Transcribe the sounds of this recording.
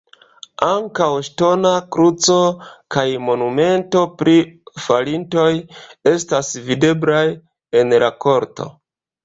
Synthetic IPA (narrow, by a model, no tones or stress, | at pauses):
aŋkawʃto̞nakɾut͡so̞kajmo̞nume̞nto̞pɾifalinto̞je̞stasvide̞blaj | e̞nlako̞ɾto̞̰